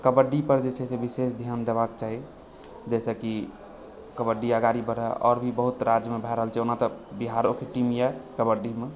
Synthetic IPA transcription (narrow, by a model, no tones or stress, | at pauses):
kəbəɖipəɾd͡ʒet͡ʃʰɛsebisesd̪ʱiənd̪ebakt͡ʃaɦi | d͡ʒɛsɛki | kəbəɖiaɡaɾibəɾɛɔ̰ɾbʱibəɦut̪ɾad͡ʒjəmebʱɛɾəɦəlt͡ʃʰɛonat̪ɔbiɦaɾokeʈimjakəbəɖime